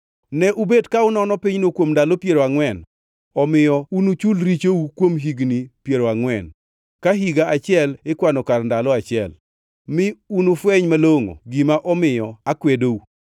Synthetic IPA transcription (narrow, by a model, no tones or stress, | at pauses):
nɛʔubedkaʊnɔnɔpɪɲnokwomndalopjeɾoaŋwɛn | ɔmɪjɔunut͡ʃulɾit͡ʃoukwomɦiɡnipjeɾoaŋwɛn | kaɦiɡaat͡ʃɪɛlɪkwanɔkarndalɔat͡ʃɪɛ̰l | mɪunufwɛɲmaloŋo̰ɡɪmaʔɔmɪjɔakwedou